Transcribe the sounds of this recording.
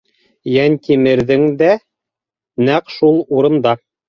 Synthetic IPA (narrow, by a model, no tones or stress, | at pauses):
jænt̪imɘ̆ɾðɘŋd̪æ | næqʃulˠuɾɤ̆nd̪ɑ